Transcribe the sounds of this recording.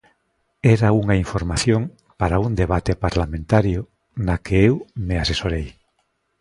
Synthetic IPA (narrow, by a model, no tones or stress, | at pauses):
ɛɾauŋaiɱfoɾmaθjoŋ | paɾaund̪eβ̞at̪epaɾlamẽnt̪aɾjʊ | nakeewmeasesoɾej